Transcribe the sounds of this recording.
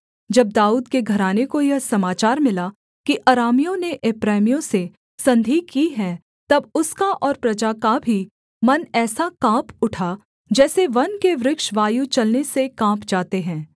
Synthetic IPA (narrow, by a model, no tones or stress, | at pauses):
d͡ʒɐb̚d̪aːuːd̪keɡʱɐɾaːnekojɐɦsɐmaːt͡ʃaːɾmɪla | kiʔɐɾaːmijõneʔɪpɾɛːmijõse | sɐ̃nd̪ʱikiɦɛ̃ | t̪ɐbʊskaʔɔːɾpɾɐd͡ʒakabʱi | mɐnɛːsakãːpʊʈʰa | d͡ʒɛːseʋɐnkeʋɾɪkʃʋaːjut͡ʃɐlnesekãːpd͡ʒaːt̪eɦɛ̃ː